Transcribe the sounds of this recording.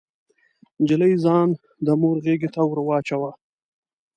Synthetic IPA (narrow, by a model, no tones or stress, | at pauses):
d͡ʒɪləjzɑːn | d̪əmoɾɣeɡet̪awɾwɑːt͡ʃawa